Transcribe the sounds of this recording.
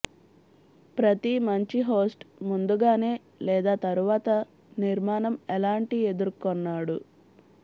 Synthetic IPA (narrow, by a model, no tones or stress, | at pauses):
pɾɐt̪imɐɲt͡ʃiɦo̞ːsʈmund̪uɡaːne̞ː | lɛːd̪aːt̪ɐɾuʋaːt̪ɐ | niɾmaːnɐmɛlaːɳʈie̞d̪uɾkonːaːɽu